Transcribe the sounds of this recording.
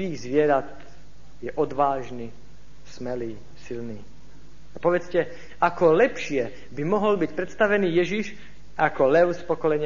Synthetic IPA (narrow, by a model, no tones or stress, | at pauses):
iːɣzʋɪɛɾat̪̚ | jɛʔɔd̪ʋaːʒni | smɛliː | silniː | apɔʋɛt͡scɛ | akɔlɛpʃɪɛ | bimɔɦɔlbicpɾɛt̪st̪aʋɛniːjɛʒiʃ | akɔlɛʊspɔkɔlɛɲɪ